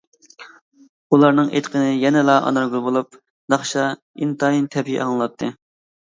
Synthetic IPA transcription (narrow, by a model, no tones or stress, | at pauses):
ulˠɑɾnɨŋʔḛt̪qʰənɪjɛnɪlˠɑʔɑ̰nɑɾɡuɾˠbolˠup̚ | d̪ɑχʃɑ | int̪ʰɑjint̪ʰɛpʰḭʔɑ̰ŋlˠɑt̪ʰːɨ